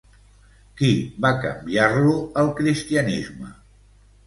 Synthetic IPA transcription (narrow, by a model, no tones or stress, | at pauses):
kiβakə̰mbiarluəlˠkɾist̪iənḭzmə̰